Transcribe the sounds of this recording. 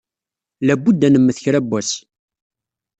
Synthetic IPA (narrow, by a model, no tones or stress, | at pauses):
læbːud̪ænəmːəθçɾæbæs